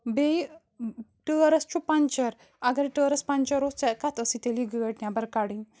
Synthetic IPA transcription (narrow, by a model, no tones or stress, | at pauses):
bej | ʈəɾəst͡ʃupãnt͡ɕəɾ | aɡaɾʈəɾəspãnt͡ʃəɾost͡sɛkat̪ʰəsit̪eliɡəəʈnjabəɾkaɽin